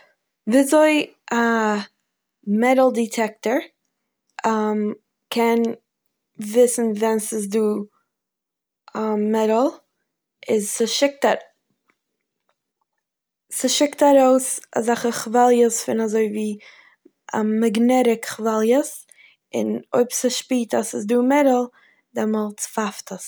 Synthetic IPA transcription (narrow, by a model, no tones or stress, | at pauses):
viːzoɪ | a | mɛdl̩ˠditʰɛk̚təɹ | am | kʰɛn | vɪsn̩vɛnsɪs̬duː | mɛdl̩ˠ | ʔɪzsɪʃɪk̚ta | sɪʃɪktaɾoʊsa̰zaχəχvalˠjəsfɪnazoɪviː | aɡnɛɾɪkχvalˠjəs | ɪno̰ɪpsəʃpiːtasɪsduːmɛdl̩ˠ | dɛmɔlˠt͡sfaftəs